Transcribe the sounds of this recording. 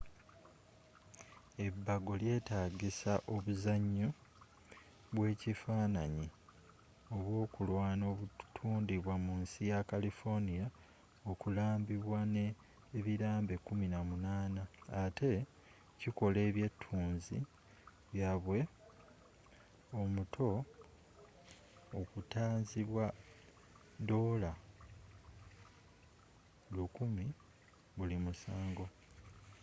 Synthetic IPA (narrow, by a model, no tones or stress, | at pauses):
e̞bːaɡo̞lje̞ːtaːɡisaʔo̞βuzaɲːo̞ | βwe̞ːcifaːnaɲi | o̞βwo̞ːkulwaːno̞ːβutʰuːndiβwamuːnsijakalifo̞nija | o̞kulaːmbiβwaneː | βiɾaːmbe̞kuminamunaːnaːtʰe̞ | ciko̞le̞ːβje̞tʰːuːnzi | βjaβwe̞ | o̞mutʰo̞ | kutaːnziβwa | do̞ːla | lukumi | βulimusaːŋɡo̞